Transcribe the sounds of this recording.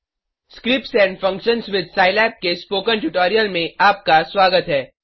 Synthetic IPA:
skɾɪp̚ʈsɛ̃ːɳɖfɐ̃ŋkʃə̃nsʋɪd̪̚ʱsaːɪlɛːp̚kespoːkə̃nʈʊʈoːɾijəlmẽaːp̚kasʋaːɡət̪ɦɛː

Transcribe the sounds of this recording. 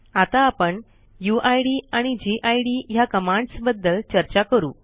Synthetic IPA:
at̪aːpəɳ | juʔajɽiːaɽ̃id͡ʑiʔajɽiːjakəmaɳɖsbəd̪ːəlt͡ɕəɾt͡ɕakəɾṵː

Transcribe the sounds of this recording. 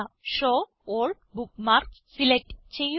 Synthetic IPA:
aʃo | olɖ̚bukmaɾkssilek̚ʈt͡ɕej

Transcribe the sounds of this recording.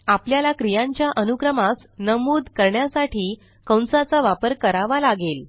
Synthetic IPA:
apljalakɾijãɲt͡ɕjaʔənukɾəmas | nəmuːd̪kəɾɳjasaʈʰiː | kə̃w̃nsat͡saʋapəɾkəɾaʋalaɡel

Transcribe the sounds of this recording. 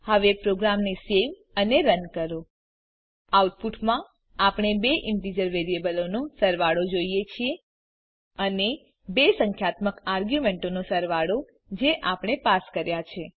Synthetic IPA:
həʋepɾoɡɾamneseʋ | əneɾənkəɾo | awʈ̚puʈmã | apɳ̃ebeʔɪɳʈid͡ʒəɾʋeɾiebəlonosəɾʋaɽod͡ʒoijet͡ʃʰie | əne | besəŋkʰjat̪məkaɾɡjumeɳʈonosəɾʋaɽo | d͡ʒeʔapɳ̃epaskəɾjat͡ʃʰe

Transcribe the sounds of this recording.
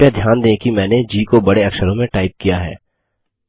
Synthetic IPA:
jad̪ʱjaːnd̪ẽkimɛ̃ːned͡ʒiːkobɐɽeɐkʃəɾõmẽʈaːɪp̚kijaɦɛ̰ː

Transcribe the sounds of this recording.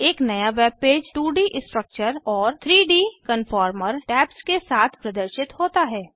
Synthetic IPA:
eːknɐjaʋeːb̚peːd͡ʒʈuːɖiʔsʈɾək̚t͡ʃəɾɔːɾt̪ʰɾiːɖiːkənfɔːɾməɾʈɛːpskesaːt̪ʰpɾɐd̪əɾʃɪt̪hoːt̪aɦɛː

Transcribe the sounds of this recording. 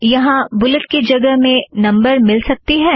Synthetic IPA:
jɐɦãbʊlət̪̚ked͡ʒɐɡəɦmẽnɐ̃mbəɾmɪlsɐk̚t̪iɦɛː

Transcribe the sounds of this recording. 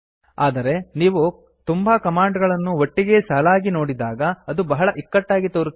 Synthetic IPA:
aːd̪ɐɾe̞niːʋu | t̪umbɐkɐmaːɳɖɡɐɭɐnːuʋoʈːiɡe̞saːlaːɡino̞ːɽid̪aːɡɐːd̪ubɐɦɐɭɐʔikːɐʈːaːɡit̪oːɾu

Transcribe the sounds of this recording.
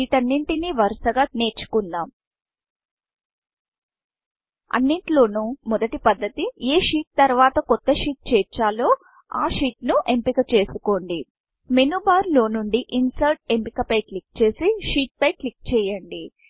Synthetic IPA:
iːʈɐnːiɳʈiniːʋɐɾsɐɡaːne̞ːɾt͡ʃu̥kund̪aːm | ɐ̰nːiɳʈlo̞ːnumɔd̪ɐʈipɐd̪ːɐt̪ieːʂiːʈ̚t̪ɐɾʋaːt̪ɐkɔt̪ːɐʂiːʈ̚t͡ʃɛːɾt͡ʃːaːlo̞ː | a̰ːʂiːʈnuʔe̞mpikɐt͡ʃe̞ːsu̥ko̞ːɳɖi | menubaːɾlo̞ːnuɳɖiʔinsɐlʈ̚e̞mpikɐpɐjklik̚t͡ʃe̞ːsiʃiːʈ̚pɐjklik̚t͡ʃɛːjɐɳɖi

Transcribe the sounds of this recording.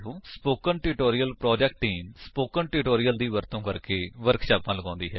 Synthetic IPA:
ɦõːspoːkənʈɪʈoːɾɪjəlpɾɔːd͡ʒɛkʈːiːmspoːkənʈɪʈoːɾɪjəld̪iːʋəɾt̪õːkəɾkeːʋəɾkʃaːpãːləɡãːnd̪iːɦɛ̰ː

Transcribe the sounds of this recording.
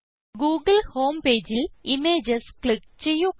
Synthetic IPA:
ɡuːɡɐlhoːmpe̞ːd͡ʑilimeːd͡ʑɐskɭikt͡ɕejːu

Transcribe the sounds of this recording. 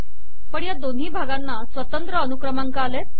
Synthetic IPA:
pəɳjad̪onɦiːbʱaɡanːasʋət̪ənt̪ɾəːnukɾəmaŋkaalet̪̚

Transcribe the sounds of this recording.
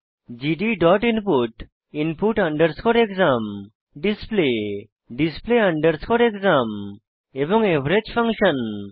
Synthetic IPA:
d͡ʒiɖiɖɔʈinpuʈ | inpuʈaɳɖəɾskʰɔɾekzam | ɖisple | ɖispleaɳɖəɾskʰɔɾekzam | ebɔŋebɾed͡ʒpʰãŋʃən

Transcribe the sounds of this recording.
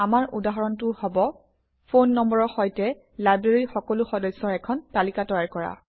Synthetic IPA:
amaɹʔudaɦɔɹɔntʊhɔbɔ | pʰonːɔmbɔɹɔxɔjtɛ | lajbɹeɹixɔkɔlʊxɔdɔjsːɔɹɛkʰɔntalikatɔjaɹkɔɹa̰

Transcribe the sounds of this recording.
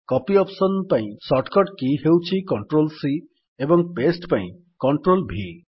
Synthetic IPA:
kɔpiɔpsɔnpaĩsɔʈkɔʈkiɦewt͡ʃʰikɔɳʈɾolsi | ebɔŋpesʈpãḭ̃ | kɔɳʈɾolbʱi

